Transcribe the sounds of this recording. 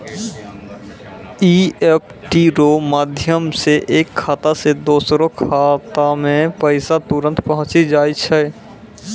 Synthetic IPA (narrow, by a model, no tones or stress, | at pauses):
iep̚ʰʈiɾomaːd̪ʱjəmseʔeːkʰːaːt̪ased̪oːsɾokʰaːt̪amẽpəɪsat̪uɾə̃nt̪pəɦʊ̃t͡ʃid͡ʒaːit͡ʃʰɛ